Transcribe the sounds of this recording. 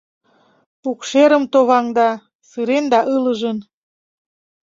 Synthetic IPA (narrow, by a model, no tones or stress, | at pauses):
ukʃeɾəmt̪oβɑŋd̪ɑ | sɯɾend̪ɑʔɯləʒən